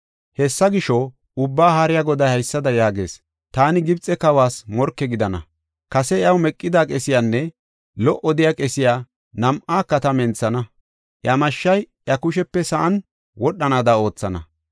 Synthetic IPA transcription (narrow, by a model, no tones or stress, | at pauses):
hɛsːɐɡɪʃɔ | ʊbːaːhaɾɪjaɡɔd̪ɐhɐjsːɐd̪ɐjaːɡe̞̰ːs | t̪aːnɪɡɪbt͡sʼːɛkɐwaːsmɔɾkːɛɡɪd̪ɐnɐ̰ | kɐsɛɪɐwmɛkʼːɪd̪aːkʼɛsɪjaːnːɛ | lɔʔɔd̪ɪjaːkʼɛsɪjaː | nɐmʔaːkːɐt̪ɐmɛnt͡sːɐnɐ | ʔjɐmɐʃːɐjʔjɐkʊʃɛpːɛsɐʔɐn | wɔɗːɐnaːd̪ao̞ːt͡sːɐnɐ̰